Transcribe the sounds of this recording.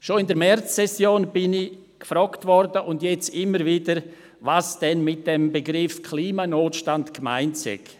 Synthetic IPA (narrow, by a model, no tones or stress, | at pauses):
ʃoɪndəɾmɛrt͡sːɛsjoːnb̥ɪnɪ | kfɾɔktvɔɾdəʔʊndjɛt͡sɪmːəɾviːdəɾ | vasd̥ɛnmɪt̚d̥ɛmbəɡɾɪfkʰliːmanoːtʃtandkma̰ɪntsɛ̰ɡ̥